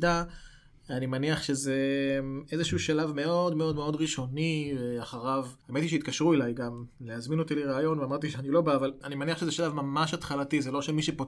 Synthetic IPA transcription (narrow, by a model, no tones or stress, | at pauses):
d̪a | animaniaχʃeze̞ezeʃuuʃalavme̞o̞d̪me̞o̞d̪me̞o̞dʁiʃo̞niveaχaʁavaemet̪iʃeit̪̚kaʃʁuelajɡamleazmino̞t̪iliʁaːjo̞nveamaʁt̪iʃeanilo̞baːvalanimaniaχʃezeʃalavmamaʃat̪χalatizelo̞ʃemiʃepot